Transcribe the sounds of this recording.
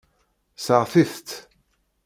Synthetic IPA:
səʁθiθt̪

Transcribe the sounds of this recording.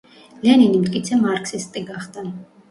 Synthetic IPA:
lianinimt̪ʼkʼit̪sʰɛmaɾksist̪ʼiɡaχd̪a

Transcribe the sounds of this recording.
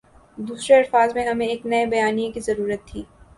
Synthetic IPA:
d̪uːsɾeɐɾfaːzmẽɦɐmẽeːknɐebɐjaːnijẽkizɐɾuːɾət̪ʰːiː

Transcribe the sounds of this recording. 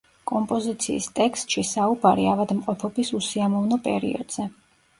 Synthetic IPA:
kʼɔmpʼɔzit̪sʰḭːst̪ʼɛkst̪ʼʃisaubaɾḭavad̪mqʼɔpʰɔbisusiamɔvnɔpʼɛ̰ɾḭɔ̰d̪z̥ɛ

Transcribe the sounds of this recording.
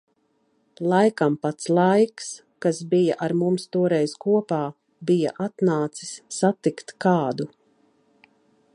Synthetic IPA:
lˠajkampat̪slˠajks | kasbijaʔaɾmumst̪uɔɾɛjzkuɔpaː | bija̰ʔat̪naːt̪si̥sːat̪ikt̪kaːd̪u

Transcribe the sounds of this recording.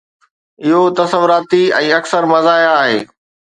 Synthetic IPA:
ɪɦot̪ɐsəʋʊɾaːt̪iɛ̰̃ːɐksəɾmɐzaːɪaːɦḛː

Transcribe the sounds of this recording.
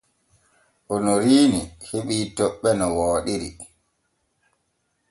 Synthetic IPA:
ʔɔnɔɾiːniheɓiːtɔɓːɛnɔwɔːɗiɾḭ

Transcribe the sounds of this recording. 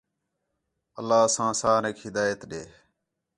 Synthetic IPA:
əlːaːsãːsaːnekɦɪd̪aːjət̪ɗeː

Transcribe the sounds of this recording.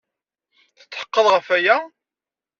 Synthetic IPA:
θə̥t͡sːħə̥qːəðˤʁəfæjæ

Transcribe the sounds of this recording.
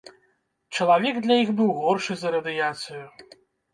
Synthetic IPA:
t͡ʂɐlˠavʲɛɡd̪lʲɐjixbɨwɣɔrʂɨzɐɾɐd̪ɨjat̪sɨju

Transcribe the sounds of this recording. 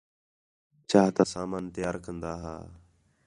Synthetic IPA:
t͡ʃaːɦt̪aːsaːmaːnt̪ɪjaːɾkənd̪aːɦa̰ː

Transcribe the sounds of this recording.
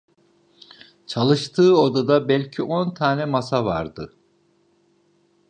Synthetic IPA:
t͡ʃʰalˠɯʃt̪ʰɯːod̪ad̪abɛlʲcʰiʔo̞nt̪ʰaːnɛmasavaɾd̪ɯ

